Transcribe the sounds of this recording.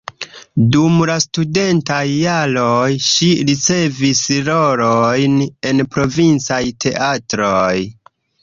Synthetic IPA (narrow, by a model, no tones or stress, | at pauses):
dumlastude̞ntajːalojʃiɾit͡se̞visɾo̞ɾojne̞npɾo̞vint͡sajtʰe̞ʔatɾoj